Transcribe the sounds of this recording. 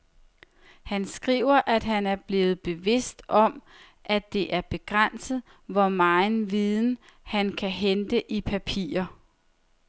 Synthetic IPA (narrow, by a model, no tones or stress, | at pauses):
hænsɡ̥ʁḭːʊ̰ɐʔæd̥ɦænæɐb̥le̝ːð̞̩ˠb̥e̝ʋe̝sd̥ɒ̽m | ʔæd̥e̝ʔæɐb̥e̝ɡ̥ʁan̰sð̩ˠ | ʋɒmɑ̈ɪnʋiðˠn̩hænkʰæɦend̥əʔipʰæpʰḭːɐ